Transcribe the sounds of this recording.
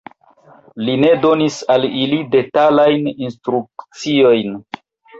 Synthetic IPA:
line̞do̞nisalilide̞talajninstɾukt͡sio̞jn

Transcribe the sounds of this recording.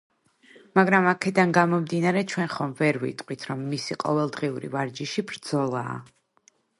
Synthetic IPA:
maɡɾamakʰɛd̪anɡamɔmd̪inaɾɛt͡ʃʰwɛnχɔmvɛɾvḭt̪ʼqʼwit̪ʰɾɔmːisiqʼɔ̰vɛlˠd̪ʁiuɾḭvaɾd͡ʒiʃibɾd̪z̥ɔlˠa̰ː

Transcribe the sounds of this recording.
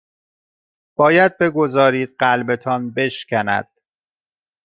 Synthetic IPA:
b̥ɒːjæd̪̚be̞ɡo̞zɒːɾiːd̪̥̚ɢælbe̞t̪ʰɒːnbe̞ʃcʰænæ̰d̪̥

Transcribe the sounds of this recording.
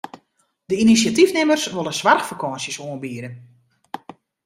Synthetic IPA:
dəinisjatifnɪmərsʋolˠəsʋarxfəkʰɔːnsjəsoənbiəɾən

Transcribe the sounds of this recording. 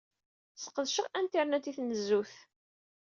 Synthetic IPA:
sə̥qːəðʃəʁænt̪iɾˤnæt̪ːiθnəzːuθ

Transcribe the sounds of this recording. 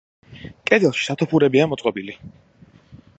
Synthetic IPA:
kʼɛd̪ɛlˠʃi̥sat̪ʰɔpʰuɾɛbiamɔt̪sqʼɔbili

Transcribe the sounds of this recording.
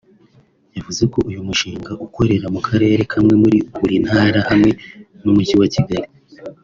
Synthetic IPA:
javuze̞ko̞ʔujumuʃiːŋɡaʔuko̞ɾe̞ɾamukʰaɾe̞ːɾe̞kʰamŋe̞muɾiuɾin̥haːɾahamŋe̞ | nomuciwaciɡaɾi

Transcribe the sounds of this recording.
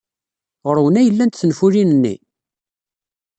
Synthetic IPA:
ʁəɾwənæjəlːænt̪θənfulinənːḭ

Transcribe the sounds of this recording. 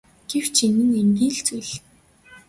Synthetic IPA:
ɡ̥ew̥t͡ɕʰinɘ̆nemɡiːɮt͡sujɮ

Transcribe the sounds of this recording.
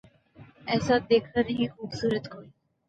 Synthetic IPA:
ɛsad̪ekʰaneɦixuːbsuɾət̪kʰoɾi

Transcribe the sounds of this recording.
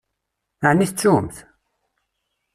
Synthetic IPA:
əʕniθt͡sːumθ

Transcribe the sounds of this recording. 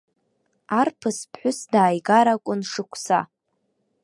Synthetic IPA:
arpʰɨspʰħʷʊsdaːjɡaɾakʷʼʊnʂɨkʷʰsa̰

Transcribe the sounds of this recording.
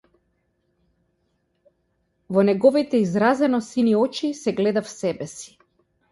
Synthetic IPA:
vɔnɛɡɔvit̪ɛizɾazɛnɔsiniɔt͡ʃisɛɡlɛd̪afsɛbɛsi̥

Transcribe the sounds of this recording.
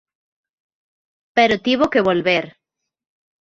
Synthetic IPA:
peɾot̪iβokeβolβeɾ

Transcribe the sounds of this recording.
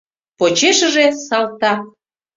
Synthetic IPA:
pot͡ɕeʃə̆ʒesɑlt̪ɑ

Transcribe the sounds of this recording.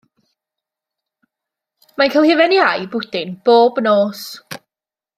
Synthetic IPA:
makʰəlˠhɪvɛnjajbʊd̥ɪnb̥oːbnoːs

